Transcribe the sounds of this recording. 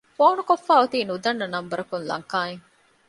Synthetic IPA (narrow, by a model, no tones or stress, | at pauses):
foːnukofːaːut̪iːnud̪ɐnːɐnɐmbɐɾɐkunlɐ̰ŋkaːeŋ